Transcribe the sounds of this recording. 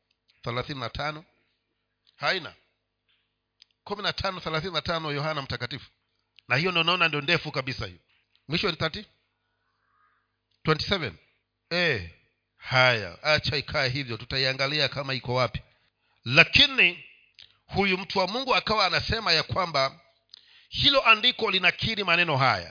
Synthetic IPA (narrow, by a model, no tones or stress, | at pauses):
θɛlaθininatʰanɔ | haina̰ | kuminatʰanɔθɛlaθininatanɔjɔhanam̩takatifu̥ | nahijɔndɔnaɔnandiɔndɛfukaɓisahḭjɔ | mwiʃɔwɛniθatif | twɛnti̥sɛvɛ̰n | ɛ | haja̰at͡ʃaikʰaɛɦivjɔtutaiaŋɡaliakamaikɔwapi̥ | lakini | hujum̩tuwamuŋɡuakawaːnasɛmajakwamba | hilɔʔandikɔlinakʰiɾimanɛnɔɦa̰ja̰